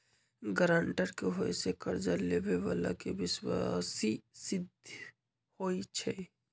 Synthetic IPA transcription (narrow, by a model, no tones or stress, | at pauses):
ɡəɾaɳʈəɾkeɦoesekəɾd͡ʒalebeʋala̰keʋɪswasisɪd̪ʱ | hoːit͡ʃʰɛ